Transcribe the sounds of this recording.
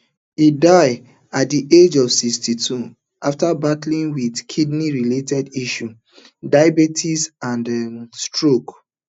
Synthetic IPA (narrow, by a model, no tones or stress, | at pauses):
idaɪ | at̚diʔed͡ʒɔvsikstitʰu | aftabatlĩnwidkʰidniɹiletɛdiʃu | dajbetʰisãnstɹok